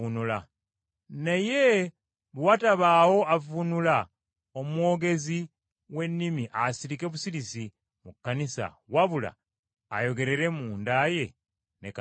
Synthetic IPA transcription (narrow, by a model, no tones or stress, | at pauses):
unula | ne̞je̞ | βwataβaːwo̞avunula | omwo̞ːɡe̞zi | we̞nːimiʔasiɾike̞βusiɾisi | mukːanisa̰ | waβula̰ː | jo̞ɡe̞ɾe̞ɾe̞muːndaje̞ | neka